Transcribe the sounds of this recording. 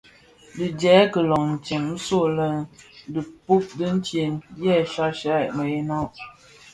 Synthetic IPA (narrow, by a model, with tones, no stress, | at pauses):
dɨ˨d͡ʒɛ˨˦kə˨lɔ˨ŋn̩˨t͡ʃe˨ŋn̩˦so˦˨lə˦də˨pu˦p̚də˦n̩˦tje˨njɛ˦˨ʃa˦ʃa˦˨mə˨e˦na˦ʔ